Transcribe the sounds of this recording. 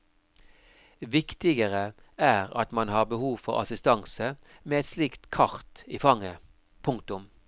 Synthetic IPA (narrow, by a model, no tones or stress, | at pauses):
ʋɪkt̪ɪɡəʁə | æːʁɑ̰t̪mɑnhɑːʁbəhuːʋfɔʁɑ̰sɪst̪ɑŋsə | meːɛt̪sliːkt̪kʰɑʁt̪iːfɑŋːə | pʰʊŋk̚t̪ʊm